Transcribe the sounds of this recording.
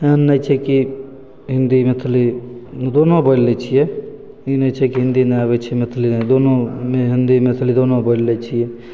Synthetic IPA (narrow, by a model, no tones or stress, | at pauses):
enːət͡ʃʰɛki | ɦɪ̃nd̪imet̪ʰlid̪oːnobʱəllet͡ʃʰije | inət͡ʃʰɛkiɦɪ̃nd̪inəaβɛt͡ʃʰɛmɪt̪ʰlind̪onõmeɦɪnd̪imet̪ʰlid̪oːnobʱəllet͡ʃʰije